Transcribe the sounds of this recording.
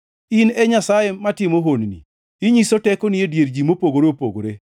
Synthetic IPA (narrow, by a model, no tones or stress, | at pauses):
inɛɲasajematɪmoɦonnḭ | ɪɲisotɛkoniedjeɾd͡ʒimopoɡoɾeopo̰ɡoɾe